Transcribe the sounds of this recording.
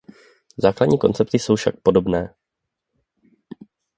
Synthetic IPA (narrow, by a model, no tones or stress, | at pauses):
zaːkladɲiːko̞̰nt͡sɛp̚t̪ɪso̞wfʃak̚po̞do̞bnɛː